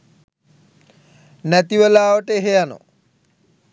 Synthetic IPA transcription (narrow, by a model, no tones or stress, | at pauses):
nɛt̪iwelaːoʈeeɦejano̰